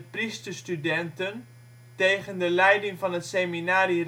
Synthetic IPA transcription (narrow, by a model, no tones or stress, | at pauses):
pristəstydɛntən | tejχəndəlɛjdɪŋvɑnətseminaːɾir